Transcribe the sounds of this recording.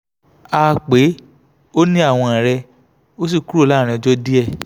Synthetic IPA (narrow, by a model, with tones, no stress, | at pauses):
aː˧˦˧k͡pe˨˦ | o˦nĩ˦a˦˨w̃ɔ̃˧ã˨ɾɛ˧ | o˦s̬i˦˨ku˨˦ɾla˦˨ɾɛ̃˧˦d͡ʒɔ˦di˦ɛ˦˨